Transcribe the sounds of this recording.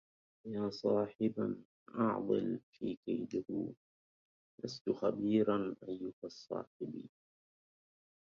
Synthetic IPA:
jaːsˤɑːħɪba | ʔɑʕd̪ˤɨ̰lfiːkajd̪ʊhʊ | last̪ʊxabiːɾanʔajːʊhɑsˤːɑ̰ːħɪbiː

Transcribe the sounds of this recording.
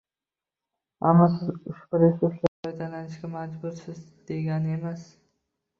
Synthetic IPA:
a̰mːɒsɪzʊʃbʊɾɪsɪzlabajt̪ʰalanɪʃkʲamad͡ʒbʊɾsɪzd̪̥eɡʲanemas

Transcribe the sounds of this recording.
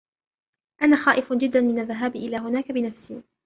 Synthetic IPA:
ʔanaːxaːʔɪfd͡ʒɪd̪ːanmɪnaðːaɦaːbʔɪlaːɦʊnaːkabɪnafsiː

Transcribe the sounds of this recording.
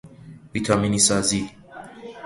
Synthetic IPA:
vit̪ʰɒːminiːsɒːzi

